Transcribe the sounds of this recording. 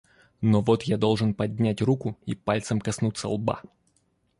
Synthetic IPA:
novot̪jad̪o̞lˠʐɨnpɐdʲnʲætʲrukʊḭpalʲt̪səmkɐsnut̪sə̰lˠba̰

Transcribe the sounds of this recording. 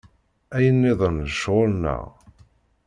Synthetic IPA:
æjənːɪðˤənðəʃʁʊlnə̰ʁ

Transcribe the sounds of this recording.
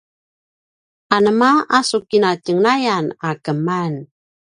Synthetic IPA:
anəmaasukinacəŋnajanakəman

